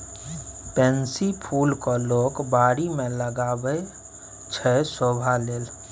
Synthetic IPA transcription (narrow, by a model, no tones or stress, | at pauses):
pɛ̃nsipʰuːlkoloːkbaːɾimẽləɡaːbə | t͡ʃʰɛsobʱaleːl